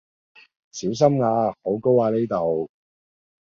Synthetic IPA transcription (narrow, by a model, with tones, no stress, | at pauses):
siː˨˥ws̬ɐ˥mŋaː˧ho˨˥wko˥waː˨˧ne˥jt̪o˨w